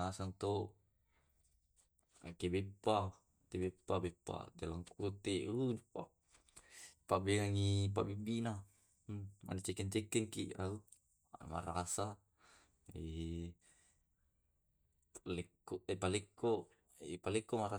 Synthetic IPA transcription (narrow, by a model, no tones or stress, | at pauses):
asaŋt̪o | akebepːa | t̪ebepːabepːa̰dalaŋkut̪elud͡ʒupa | pabeŋaŋipabibina | ma̰nit͡ʃekɛnt͡ʃɛkːɛŋkḭʔau | ama̰ɾa̰sa | e | palekːoepalekːo | epalekːomaɾa